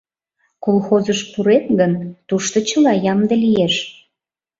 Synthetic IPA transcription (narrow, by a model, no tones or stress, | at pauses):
kolxozəʃpuɾet̪ɣənt̪uʃt̪ot͡ɕəlɑjɑmd̪əlijeʃ